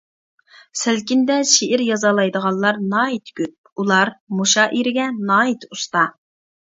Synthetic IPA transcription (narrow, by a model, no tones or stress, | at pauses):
sɪlkʲind̪ɛʃeʔɪɾjɑzɑlˠɑjd̪əʁɑnˠlˠɑɾnɑːit̪ʰkʲyp̚ulˠɑɾmuʃɑːʔiɾɪɡʲɛnɑːit̪ust̪ɑ